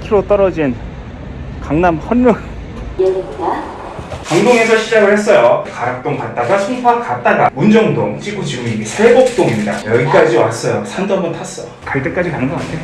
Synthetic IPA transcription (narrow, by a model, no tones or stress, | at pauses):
kʰiɾot͈ʌɾʌd͡ʑin | kaŋnamhʌnːoŋ | kaŋdoŋe̞sʰʌɕʰid͡ʑaɡɯɭhe̞s͈ʌjokaɾak̚t͈oŋpat̚t͈aɡasʰuŋpʰakat̚t͈aɡamund͡ʑʌŋdoŋt͡ɕ͈iɡut͡ɕiɡɯmiɡesʰebok̚t͈oimɲidajʌɡik͈ad͡ʑiwa̰s͈ʌjosʰandoɦambʌntʰas͈ʌ | kaɭt͈ek͈ad͡ʑikaŋdoŋɦande